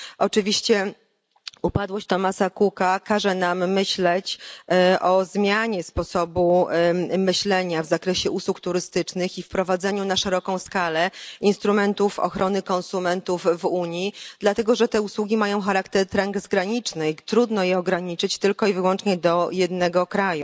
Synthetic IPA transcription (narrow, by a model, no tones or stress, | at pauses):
ʔɔt͡ʂɘvʲiɕt͡ɕɛ | upad̪wɔɕt͡ɕt̪ɔmasakukakaʐɛnamːɘɕlɛt͡ɕʔɔzmʲjaɲɛspɔsɔbu | mɘɕlɛɲavzakɾɛɕɛʔuswukt̪uɾɘst̪ɘt͡ʂnɘxifpɾɔvad̪zɛɲunaʂɛɾɔkɔ̃w̃skalɛinst̪ɾumɛnt̪ufɔ̰xɾʔɔnɘkɔnsumɛnt̪uvːuɲjid̪lat̪ɛɡɔʐɛt̪ɛuswuɡʲimajɔ̃w̃xaɾakt̪ɛɾt̪ɾaŋɡzɡɾaɲit͡ʂnɘt̪ɾud̪nɔjɛɔɡɾaɲit͡ʂɘt͡ɕt̪ɘlkɔivɘwɔnt͡ʂɲɛd̪ɔjɛd̪nɛɡɔkɾaju